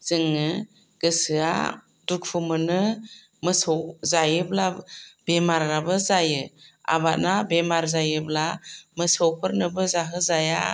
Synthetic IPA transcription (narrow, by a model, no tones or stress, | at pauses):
z̥ɯŋːɯ | ɡ̥ɯsɯa̰ | duk̚pʰɯmɯnɯ | mɯsɔwzajɯblabemaɾːabɯzajɯa̰bat̚nabemaɾzajɯblamɯsɔwpʰɯɾnɯbɯzaɦɯzaja